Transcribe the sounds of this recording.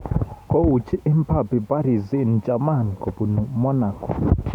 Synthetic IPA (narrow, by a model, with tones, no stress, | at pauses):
kɔ˦u˨t͡ʃʰi˦ʔi˦m˦pʰa˨pi˨pa˦ɾi˨zi˦˨nd͡ʒʼa˨ma˦˨n˨kɔ˨bu˨nu˨mɔ˦na˨kɔ˨